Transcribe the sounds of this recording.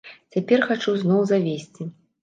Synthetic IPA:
t͡sʲapʲɛrxat͡ʂuznɔwzavʲesʲt͡sʲi

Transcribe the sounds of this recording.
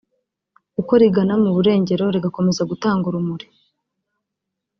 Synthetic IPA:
uko̞ɾiɡanamuβuɾe̞ːɲɟe̞ɾo̞ɾiɡako̞me̞zaɡutaːŋɡuɾumuɾi

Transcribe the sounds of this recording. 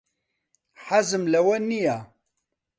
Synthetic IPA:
ħazəmlæwænːija

